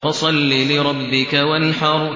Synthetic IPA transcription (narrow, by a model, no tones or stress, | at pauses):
ɑsˤɑlːilɪɾˤɑbːɪkawanɪħɑːɾˤʊ